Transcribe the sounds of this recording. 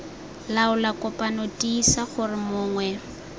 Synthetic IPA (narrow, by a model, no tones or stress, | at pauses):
laʊlakʼɔpʼanotʼiːsaχʊrɪmʊːŋwɛ